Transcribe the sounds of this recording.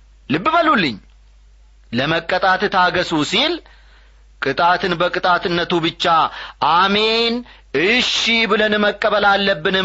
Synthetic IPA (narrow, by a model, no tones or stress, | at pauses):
lɨbːɨməlulːɨɲː | ləməkʼːət̪ʼat̪ɨt̪ʰaɡəsusil | kʼɨt̪ʼat̪ʰɨnbəkʼɨt̪ʼat̪ɨnːət̪ubɨt͡ʃːaʔame̞n | ɨʃibɨlənməkʼːəβəlalːəbːɨnɨ